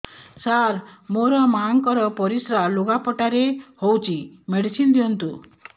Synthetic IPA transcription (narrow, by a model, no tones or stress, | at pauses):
saɾmoɾɔmaŋkɔɾɔpɔɾisɾaloɡapɔʈaɾehowt͡ʃʰimeɽisind̪iɦɔnt̪u